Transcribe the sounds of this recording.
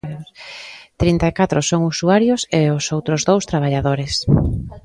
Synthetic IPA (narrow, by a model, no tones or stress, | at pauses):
t̪ɾint̪aekat̪ɾosoŋusuaɾjoseosowt̪ɾozðowst̪ɾaβ̞aʎaðoɾes